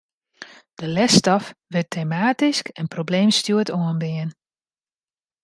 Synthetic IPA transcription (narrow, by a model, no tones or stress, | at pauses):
d̥əlɛstɔfʋɪtʰeːmaːtiskɛnprobleːmstjuətoənbɪən